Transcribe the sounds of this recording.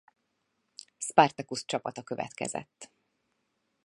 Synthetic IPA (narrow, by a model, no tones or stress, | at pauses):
spart̪ɛkust͡ʃɒpɒt̪ɒkøvɛ̰t̪kɛ̰zɛ̰t̪ː